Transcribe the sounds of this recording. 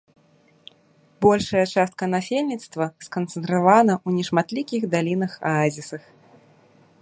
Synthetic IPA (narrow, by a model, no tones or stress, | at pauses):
bɔlʲʂɐjɐt͡ʂast̪̚kɐnafʲelʲnʲit̪st̪vɐskɐnt̪sɛnt̪ɾavanɐunʲɛʂmat̪lʲikʲixd̪alʲinɐxaazʲisɐx